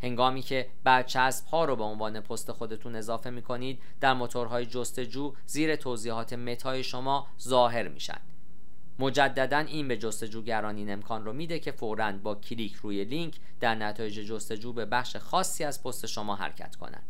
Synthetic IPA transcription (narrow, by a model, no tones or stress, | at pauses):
he̞ŋɡɒːmiːcʰe̞ | b̥æɾt͡ʃʰæsb̥hɒːɾobe̞onvɒːne̞pʰost̪e̞xo̞d̪e̞t̪ʰuːne̞zɒːfe̞miːkʰo̞niːd̪̚ | d̪æɾmo̞t̪ʰoɾɦɒːjed͡ʒo̞st̪e̞d͡ʒuː | ziːɾe̞t̪ʰoːziːhɒːt̪ʰe̞me̞t̪ʰɒːje̞ʃo̞mɒː | zɒːɦe̞ɾmḭːʃæ̰nd̪̥ | mo̞d͡ʒæd̪ːæd̪æniːnbe̞d͡ʒo̞st̪e̞d͡ʒuːɟæɾɒːniːne̞mkʰɒːnromiːd̪e̞cʰe̞foɾænd̪̚bɒːcʰiliːcʰruːje̞liŋcʰ | d̪̥æɾnæt̪ʰɒːje̞d͡ʒe̞d͡ʒost̪e̞d͡ʒuːbe̞bæxʃe̞xɒːsːiːæzpʰo̞st̪e̞ʃo̞mɒːɦæ̰ɾcʰæ̰t̪kʰo̰næ̰nd̪̥